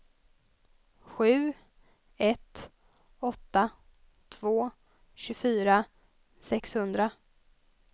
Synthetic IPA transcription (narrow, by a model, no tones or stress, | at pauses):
ɧʉ̟ː | ɛt̪ | ɔt̪ːa | t̪ʰv̥oː | ɕɵfyːɾa | sɛkshɵnd̪ɾa